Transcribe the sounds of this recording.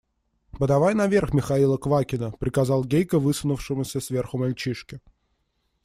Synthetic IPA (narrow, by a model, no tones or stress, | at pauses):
bəd̪ɐvajnɐvʲe̞rxmʲɪxɐilˠəkvakʲɪnəpɾʲɪkɐzɑlˠɡʲejkəvɨsʊnʊfʂɨmʊsʲəsvʲe̞rxʊmɐlʲt͡ɕiʂkʲɪ